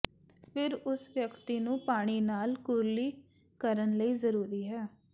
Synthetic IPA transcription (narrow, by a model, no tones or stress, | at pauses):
pʰɪɾʊsʋjəkt̪iːnũːpaːɽ̃iːnaːlkʊɾliː | kəɾənləiːzəɾuːɾiːɦɛː